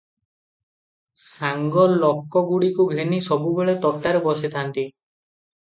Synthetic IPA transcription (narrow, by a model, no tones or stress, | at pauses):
saŋɡɔlɔkːɔɡuɽikuɡʱenisɔbubeɭet̪ɔʈaɾebɔset̪ʰant̪i